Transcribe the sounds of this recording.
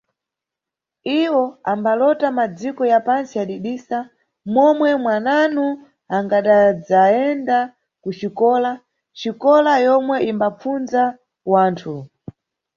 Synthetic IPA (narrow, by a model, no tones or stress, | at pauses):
iwɔambalɔtamad͡zikɔjapansiaɗiɗiːsa | mɔmwɛmwananu | aŋɡaɗad͡zaɛnda | kut͡ʃikɔːla | t͡ʃikɔlajɔmwɛʔimbap͡funza | waːntʰu